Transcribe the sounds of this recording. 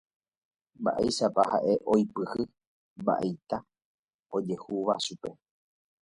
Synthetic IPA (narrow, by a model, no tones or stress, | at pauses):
mba̰ʔejʃapaha̰ʔe̞ʔojpɨhɨ | mba̰ʔejt̪a | o̞d͡ʒe̞huʋaʃupe̞